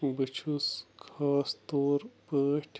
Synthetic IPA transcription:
bɨt͡ʃʰuskʰaːst̪oːɾpəːʈʰ

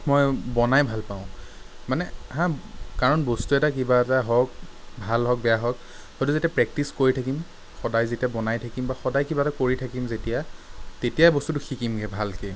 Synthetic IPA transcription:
mɔjbɔnajbʱalpaʊ̃ | manɛɦãkaɹɔnbostuɛtakibaɛtaɦɔk̚bʱalɦɔk̚bɛjaɦɔk | hɔjtuzetijapɹɛk̚tiskoɹitʰakim | xɔdajzetijabɔnajtʰakimbaxɔdajkibatakoɹitʰakimzetijatetijabɔstutʊxikimɡɛbʱalke

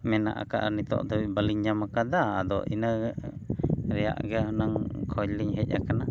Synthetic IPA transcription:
mɛna̰ʔa̰ka̰ʔnit̪ɔ̰ʔd̪ɔwibaliɲɲamakad̪aːd̪ɔ̰ʔinə | ɾɛja̰ʔɡɛɦɔnaŋkʰɔjliɲɦɛc̚a̰kana

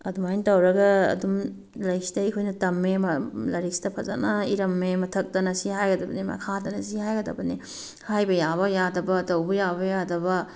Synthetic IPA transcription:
ɐ̰dumajntɐwɾɐɡɐɐ̰dum | lɐjsi̥dɐikʰojnɐtɐmːemɐlɐɾisi̥dɐpʰɐza̰nɐiɾɐmːemɐtʰɐk̚tɐnɐsihajɡɐdɐbɐnimɐ̰kʰatɐnɐsihajɡɐdɐ̰bɐni | hajbɐjaβɐjadɐbɐtɐwbɐjabɐjadɐbɐ

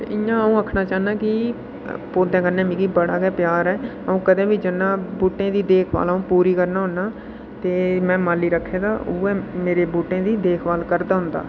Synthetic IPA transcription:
t̪ḛːɪjãːũːəkʰnaːt͡ʃaːnaːkɪ | poːd̪ẽːkəɾnɛːmĩːkibəɽaːɡɛːpjaːɾɛː | əũːkəd̪ẽːbiːd͡ʒɪnːãːbuːʈẽːd̪iːd̪eːkʰʋa̰ːlãːũːpuːɾiːkəɾnaːɦʊnːaː | t̪eːmɛ̃ːmaːliːɾəkʰːeːd̪aːuːɛːmeːɾeːbuːʈẽːd̪iːd̪eːkʰʋaːlkəɾd̪aːɦʊ̃nd̪a̰ː

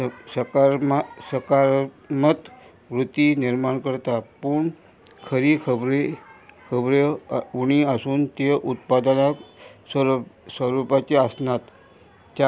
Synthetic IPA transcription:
səkaɾsəkaɾ | mət̪ | ʋɾut̪iniɾmaɳkəɾt̪apuɳ | kʰəɾikʰəbɾekʰəbɾeuɽ̃iasuːnt̪eʔut̪̚pad̪ənakssəɾupat͡ɕeasnat̪ | t͡ɕ

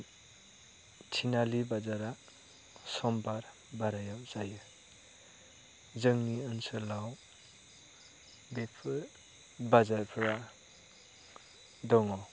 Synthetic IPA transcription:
tʰinalibazaɾa | sɔmbaɾ | baɾajawz̥ajɯ | zɯŋniɯnsɯlaw | bepʰɯ | bazaɾpʰɾa | dɔŋɔw

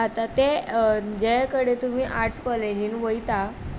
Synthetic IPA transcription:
at̪at̪ed͡ʑɛkəɽet̪um̤iːʔaɾʈt͡skɔled͡ʑinʋəjt̪a

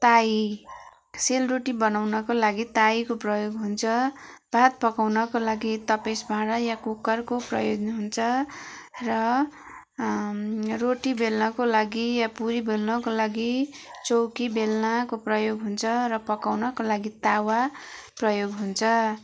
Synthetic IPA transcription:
t̪ai | selroʈibʌnawnʌkolaɡit̪aikoprʌjoɡɦunt͡sʰʌb̥ʱat̪̚pʌkawnʌkolaɡit̪ʌpesbʱãɽʌjãkukːʌrkoprʌjodnɦunt͡sʰʌ | rʌ | roʈibelnʌkolaɡijapuɾibelnʌkolaɡit͡sowkibelnakoprʌjoɡɦunt͡sʰʌrʌpʌkawnʌkolaɡit̪awaprʌjoɡɦunt͡sʰʌ

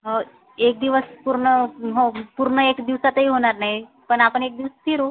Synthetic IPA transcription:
ɦə | ek̚d̪iʋəspuɾɳəɦopuɾɳəekd̪iʋsat̪əɦiɦoɽ̃aɾnaɦi | pəɳapəɳek̚d̪iʋəst̪ʰiɾo

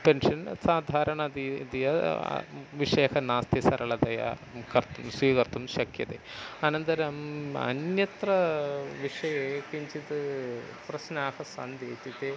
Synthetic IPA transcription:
penʂɐnsaːd̪ʱaːɾɐɳɐd̪id̪ijɐ̰ | ʋiʂeːkɐnaːst̪isɐɾɐɭɐd̪ɐjɐ̰ | kɐɾt̪umsʋiːkɐɾt̪umʃɐkjɐt̪eɐnɐnt̪ɐɾɐmɐ̰njɐt̪rɐʋiʂɐjeːkiɲt͡ʃit̪ɨ | pɾɐsnaːhɐsa̰nd̪eːt̪it̪e

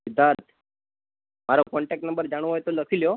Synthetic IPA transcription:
id̪aɾt̪ʰ | maɾokɔɳʈɛk̚ʈnəmbəɾd͡zaɽ̃ʋojt̪oləkʰiljo

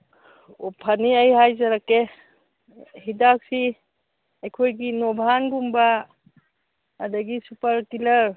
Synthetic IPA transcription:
upʰaniajɦajzaɾake | hidak̚si | ajkʰojɡinɔbʱanɡumba | daɡisupaɾtilɐɾ

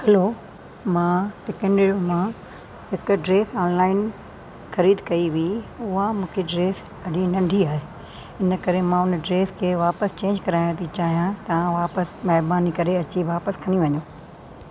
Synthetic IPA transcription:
hɛloː | mãːpɪkẽɳɖeɾomã | ɦɪkʊɖɾeːsaːnlaːɪn | xɐɾiːd̪kɐiʋiʊɦamũːkʰeɖɾeːs | ɐɗinɐ̃ɳɖʱiaːɦe | ɪnəkɐɾemãʊnɖɾeːskʰeːʋaːpəst͡ɕẽːɲd͡ʑkɐɾaːɪɽ̃t̪ʰit͡ɕaːɦijãt̪ɐʋãʋaːpəsmɛɦɾbaːnikɐɾeɐt͡ɕiʋaːpəskʰɐniʋɐɲoː

